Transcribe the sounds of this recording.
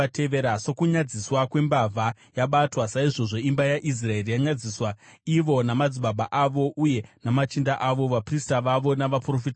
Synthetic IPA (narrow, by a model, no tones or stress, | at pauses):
teʋeɾaso̞kuɲad͡ziswakwe̞mbavʱa | jaɓatwasaiʐo̞ʐo̞imbajaʔis̬raerijaɲad͡ziswaiʋo̞namad͡ziɓabʱaʔaʋo̞ʔuje̞namat͡ʃindaʔaʋo̞ʋapristaʋaʋo̞naʋapro̞fit